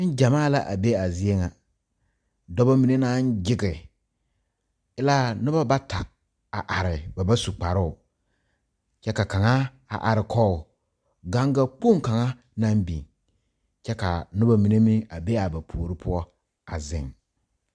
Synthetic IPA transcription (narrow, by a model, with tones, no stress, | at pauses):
ɪ˦n˦d͡ʒa˨maː˦˨la˨ʔa˨be˦a˨zi˦e˦ŋa˨ | dɔ˦ba˦mi˨ne˦na˦n˦d͡ʒɪ˦ɡɪ˨ | ɪ˦la˦nʊ˦ba˦ba˦ta˨ | a˨ʔa˨ɾɪ˨ba˨ba˦su˨k͡pa˨ɾʊ˦ʊ˨ | t͡ʃɛ˦ka˨ka˨ŋa˦ | a̰˨ʔa˨ɾɪ˨kʰɔ˦˨ | ɡa˦ŋɡa˦k͡po˦ŋ˦ka˨ŋa˦ | na˦m˦bḭ˨ŋ | t͡ʃɛ˦ka˨nʊ˦ba˦mi˨ne˦mɪ˦a˨be˦a˨ba˨pʰoː˨ɾɪ˦pʰʊ˦ɔ˦ | a˨zɪ̰˨ŋ